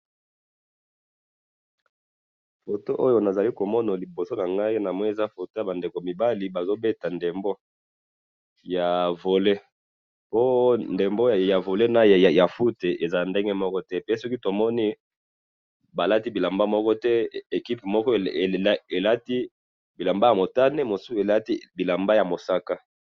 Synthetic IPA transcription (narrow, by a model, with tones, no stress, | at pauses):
fo˨to˦ʔo˦jo˦na˨za˨li˦ko˨mɔ˦na˨li˨bo˨so˦na˨ŋɡa˦i˦na˨mwɛ˦e˨za˦fo˨to˦ja˨ba˨nde˨ko˨mi˨ba˦li˦ba˨zo˦be˦ta˨nde˨mbo˦ | ja˨vo˨le˦ | po˦nde˨mbo˦˨ja˨vo˨le˦na˨jja˨ja˨fu˦te˨ʔe˨za˦˨nde˦ŋɡe˦mɔ˦kɔ˦tɛ˦pe˦sɔ˦ki˦to˨mɔ˦ni˦ | ba˨la˦ti˦bi˨la˨mba˦mɔ˦kɔ˦tɛ˦e˨ki˦pmɔ˦kɔ˦˨˦e˨la˦ti˦ | bi˨la˨mba˦ja˨mo˨ta˦ne˦mo˨su˦e˨la˦ti˦bi˨la˨mba˦ja˨mo˨sa˦ka˦